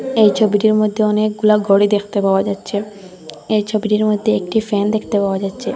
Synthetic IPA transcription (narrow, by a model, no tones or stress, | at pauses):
ejt͡ɕʰobiʈiɾmod̪ʱːeɔnek̚ɡulaɡɔɽid̪ekʰt̪epaoad͡ʑatːɕʰe | ejt͡ɕʰobiʈiɾmod̪ʱːeekʈifɛnd̪ekʰt̪epaoad͡ʑatːɕʰe